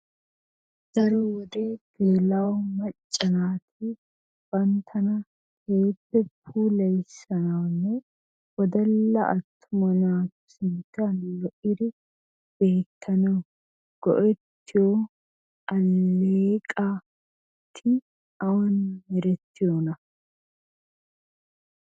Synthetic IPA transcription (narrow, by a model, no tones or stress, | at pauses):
d̪̥ɐɾɔwɔd̪eːɡ̥eːlɐwmɐt͡ʃʼːɐnaːt̪ʰɪ | b̥ɐnt̪ʰːɐnɐ | heːpːɛpʰuːlɐjsɐnɐwnːɛ | wɔd̪ɐlːɐʔɐt̪ʰːʊmɔnaːt̪ | sɪnt̪ːɐnlɔʔɪd̪ɪ | b̥e̞ːt̪ʰːɐnɐw | ɡ̥ɔʔɛt̪ːɪjo | ɐlːeːkʼa | t̪ʰːɪ | ɐwɐnmɛɾɛt̪ːɪjoːnɐ